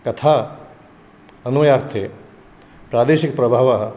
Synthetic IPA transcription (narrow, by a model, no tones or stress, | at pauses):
kɐt̪ʰaː | ɐnuɐjaːɾt̪ʰe | pɾaːd̪eːʃikɐpɾɐbʱaːʋaɦɐ